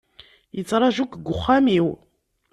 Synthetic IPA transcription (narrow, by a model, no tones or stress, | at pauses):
jət͡sːɾˤɑʒukɡʊχːamiw